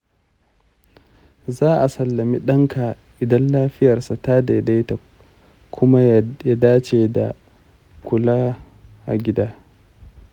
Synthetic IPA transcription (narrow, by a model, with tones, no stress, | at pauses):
zaː˦ʔa˨sɐ˨lːɐ˨mi˦ɗɐ˦ŋkʰa˨ | ʔɪ˨dɐ˦nlaː˦ɸɪ˦jɐ˨rsa˨ta˦da˨da˦ta˨ | kʰʷʊ˦ma˦ja˦daː˦t͡ʃe˨da̰˨ | kʷʊ˨laː˦ | ʔa̰˨ɡʲɪ˦daː˦